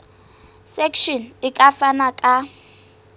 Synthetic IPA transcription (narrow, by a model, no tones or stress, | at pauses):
sɛkʃɔnɪkʼafanakʼa